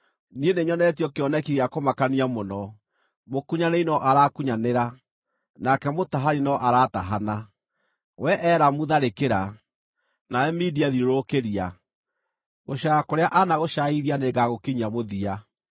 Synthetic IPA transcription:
nieneɲɔnɛtiɔkeɔnɛkiɣeakomakaniamonɔ | mokuɲaneinɔʔaɾakuɲaneɾa | nakɛmotaɦaɾinɔʔaɾaːtaɦana | wɛʔɛɾamuðaɾekeɾa | naɛmidiaðiɾoɾokeɾia | ɣoɕaakoɾeaʔanaɣoʃaiðianeɡaɣokiɲamoðia

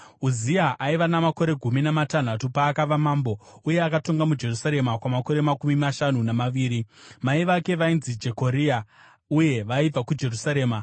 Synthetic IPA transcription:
uziaʔaiʋanamako̞ɾe̞ɡʱuminamatan̤atupaːkaʋamaːmbo̞uje̞akato̞ŋɡamud͡ʒe̞rusaɾe̞makwamako̞ɾe̞makumimaʃanunamaʋiːɾimaiʋake̞ʋainzid͡ʒe̞ko̞ɾia | uje̞ʋaib͡vakud͡ʒe̞rusaɾe̞ːma

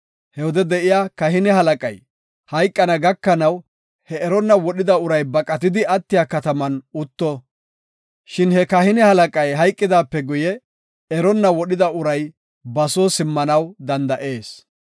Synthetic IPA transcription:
hɛwɔd̪ɛd̪ɛʔɪjaːkɐɦɪnɛhɐlɐkʼɐj | hɐjkʼːɐnɐɡɐkːɐnɐw | hɛɛɾɔnːɐwɔɗɪd̪ɐʊɾɐjbɐkʼːɐt̪ɪd̪ɪʔɐt̪ːɪjaːkɐt̪ɐmɐnʊt̪ːɔ | ʃɪnhɛkɐhɪnɛhɐlɐkʼɐjɦɐjkʼːɪd̪aːpːɛɡʊjɛ | ɛɾɔnːɐwɔɗɪd̪ɐʊɾɐj | bɐsoːsɪmːɐnɐwd̪ɐnd̪ɐʔe̞ːs

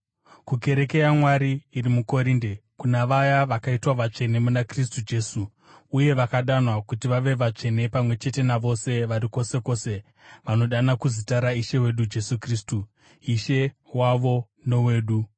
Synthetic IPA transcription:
kuke̞ɾe̞ke̞jamwaɾiːrimuko̞ɾiːnde̞kunaʋajaʋakaitwaʋat͡ʂe̞ne̞munakris̬tud͡ʒe̞suː | uje̞ʋakaɗanwakutiʋaʋe̞ʋat͡ʂe̞ne̞pamwe̞t͡ʃe̞te̞naʋo̞se̞ʋaɾiko̞se̞ko̞ːse̞ | ʋano̞ɗanakuzitaɾaiʃe̞we̞ɗud͡ʒe̞sukriːstu | iʃe̞ | waʋo̞ | no̞we̞ːɗu

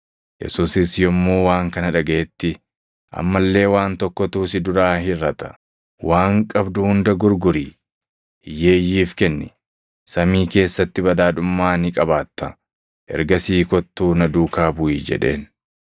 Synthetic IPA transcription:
jɛ̰suːsɪsjɔmːuːwaːŋkɐnɐᶑɐɡɐʔɛt̪ːɪ | ʔɐ̰mːɐlːe̞ːwaːnt̪ɔkːɔt̪uːsɪd̪ʊɾaːhɪɾɐt̪ɐ̥ | waːŋkʼɐbd̪uhʊnd̪ɐɡʊɾɡʊɾiː | je̞ːjːiːfkɛnːɪ | sɐmiːke̞ːsːɐt̪ːɪbɐd̪aːᶑ̪ʊmːaːnɪkʼɐbaːt̪ːɐ | ʔɛ̰ɾɡɐsiːkɔt̪ːuːnɐd̪uːkaːbʊid͡ʒɛ̰ᶑe̞̰ːn

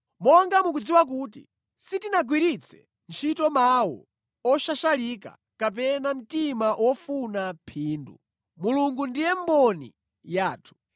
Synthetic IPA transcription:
mɔŋɡamuk̬ud͡ziwak̬uːt̬ḭ | sitinaɡwiɾit͡sʰɛ̥̰ | nt͡ʃʰitɔmawɔ̰ | ɔʃaʃalika̰ | kap̬ɛnam̩timaʔwʔɔfunapʰiːndṵ | muluŋɡundijɛmbɔnḭ | jaːtʰu̥

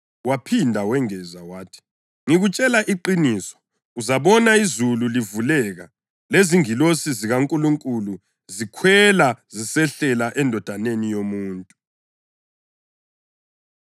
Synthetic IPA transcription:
wapʰindʱawɛŋɛzawaːtʰi̥ | ŋiɣut͡ʃʼɛlaʔiǃiniːsɔ̥ | uzaβɔnaizululivulɛɣa | leziŋilosiziɣaŋkʼuluŋkʼulu | zikʰwɛlazisɛɬɛlaʔɛndʱɔd̥ʱanenijomuːntʼu̥

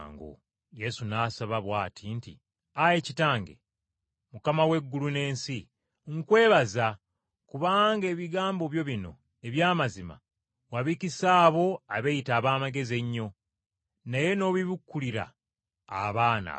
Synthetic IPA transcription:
ŋɡo̰ | je̞sunaːsaβaβwaːtʰintḭ | ajecitaːŋɡḛ | mukamawe̞ɡːulune̞ːnsi | ŋkwe̞ːβaza | kuβaːŋɡe̞ːβiɡaːmbo̞βjo̞βino̞̰ | e̞βjaːmazima̰ | waβicisaːβo̞aβejitaːβaːmaɡe̞ze̞ɲːo̞ | naje̞no̞ːβiβukːuliɾa̰ː | βaːna̰

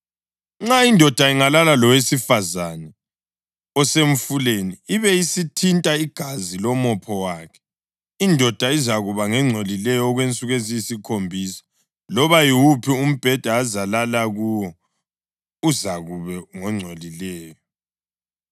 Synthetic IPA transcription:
ŋ͡ǁaindʱɔd̥ʱaiŋalalalɔwesifazanɛ | ɔseɱ̩fuleniːβɛjisitʰintʼaiɡ̥ʱazilɔmɔpʰɔwaːkʰɛ̥ | indʱɔd̥ʱaizaɣuβaŋɛŋ͡ǀʱolilɛjɔːɣwent͡sʼuɣezijisikʰombʱisɔ̥ | lɔβajiwupʰium̩b̥ʱɛd̥ʱaːzalalaɣujɔ | uzaɣuβɛŋɔŋ͡ǀʱolilɛːjɔ

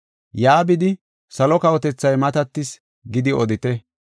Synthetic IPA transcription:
jaːbɪd̪ɪ | sɐlɔkɐwɔt̪ɛt͡sːɐjmɐt̪ɐt̪ːɪs | ɡɪd̪ɪɔd̪ɪt̪ɛ

